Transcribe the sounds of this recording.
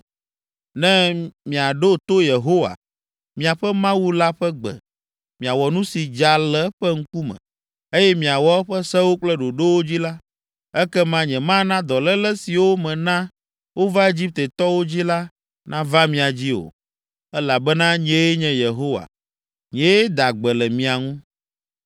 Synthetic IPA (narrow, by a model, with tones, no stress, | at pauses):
nɛ̃˦mĩ˨a˨ɖo˦t̪o˦je˨ɦo˦wa̰˨ | mĩ˨a˨ɸɛ˦mã˦wu˦la˦ɸɛ˦ɡ͡bɛ̰˨ | mĩ˨a˨wɔ˨nũ˦si˨d͡ʒa˨lɛ˦ɸɛ˦ŋ̩˦ku˦mɛ̰̃˨ | e˦jɛ˦mĩ˨a˨wɔ˦ɸɛ˦sɛ˦wo˦k͡plɛ˦ɖo˨ɖo˦wo˦d͡ʑi˦la˦ | ɛ˦kɛ˦mã˦ɲɛ̃˨mã˦nã˦d̪ɔ˨lɛ˦lɛ˦si˨wo˦mɛ̃˨nã˦ | wo˦va˦e˦d͡ʑi˦p̚t̪e˨t̪ɔ˦wo˦d͡ʑi˦la˦ | nʔã˦va˦mĩ˨a˨d͡ʑi˦o̰˨ | ɛ˦la˨bɛ˦nã˦ɲɛ̃˦je˦ɲɛ̃˨je˨ɦo˦wa̰˨ | ɲɛ̃˦je˦d̪a˨ɡ͡bɛ˨lɛ˨mĩ˨a˨ŋũ˦